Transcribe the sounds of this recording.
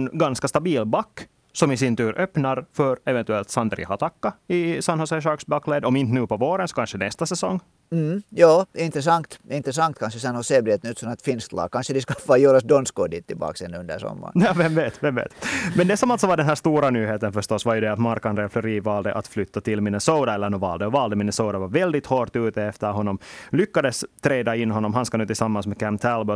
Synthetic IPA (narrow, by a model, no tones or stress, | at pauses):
nɡɑnskast̪ɑbiːlbɑkː | sɔmɪsɪnt̪ʉːɾʔœpnɑɾfœɾɛvɛnt̪ʉɛlt̪sɑnd̪ɾɪ̰hɑt̪ɑkːaɪsɑnhɔsɛʂɑɾksbɑkːleːd̪ɔmɪnt̪nʉːpɔvoːɾənsɔ̥kanɕənɛst̪asɛsɔŋː | m̩jɑːɪnt̪ɾəs̬ɑnt̪ɪnt̪ɾəs̬ɑnt̪̚kʰanʂəsɛnhɔseːbɾeːt̪ənʉːt̪sɔmat̪fɪnst̪lɑ̰ːɡ̚kʰanʂəd̪ɛskafɑjøːɾasd̪ɔnskod̪ɪt̪ʰːɪ̰lbɑ̰ːksɛnːʉɵnd̪æ̰sɔ̰mːa̰jɑːvɛmveːt̪vɛmvḛːt̪mɛnd̪ɛsɔmalt̪sɔvɑɖɛnɦæːʂt̪uːɾanyːheːt̪ənfœʂtɔsːvajɵd̪ɛat̪maɾkand̪ɾɛflɔɾiːvɑːld̪əʔat̪flʏt̪ːat̪ʰɪlmɪnəsoːd̪aɛlːənɔvɑ̰ːld̪əɔvɑːld̪əmɪnəsoːd̪avɑɾvɛld̪ɪt̪hoːɾʈ̪ʉːt̪əɛft̪əɾɦɔnːɔmlʏkːad̪əst̪ʰɾeːd̪aɪnːhɔnːɔmɦanskanʉːt̪ɪlsɑmːansmɛkʰæmt̪ʰælbɔ